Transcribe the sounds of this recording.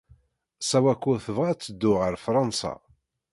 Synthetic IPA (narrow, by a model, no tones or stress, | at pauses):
sæwækʷːʊθəvat͡sːəd̪ːʊʁəɾfɾˤɑnsɑ̰